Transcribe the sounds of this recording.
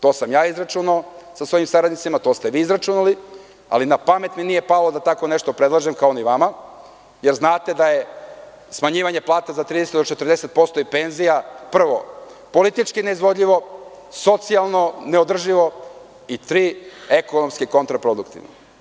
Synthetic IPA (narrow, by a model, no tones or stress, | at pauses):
t̪o̞ːsamjaːizɾat͡ʃunao | sasʋo̞jimsaɾad̪nit̪simat̪ost̪e̞ʋiːzɾat͡ʃunali | a̰linapame̞t̪minije̞palo̞d̪at̪ako̞neʃt̪o̞pɾe̞d̪lˠaʒemkaoniʋama | jeɾznaːt̪e̞d̪aje̞ | smaɲiːʋaɲe̞plˠaːt̪azat̪ɾid̪eset̪d̪ot͡ʃe̞t̪r̩d̪ese̞t̪̚po̞st̪o̞ipe̞nzijapr̩ʋo̞po̞lit̪it͡ʃkine̞izʋo̞d̪ʎʲiʋo̞ | so̞t̪sialˠno̞ne̞o̞d̪r̩ʒiʋo̞ | it̪ɾiːekonomskeko̞nt̪ɾapɾod̪ukt̪ḭʋno̰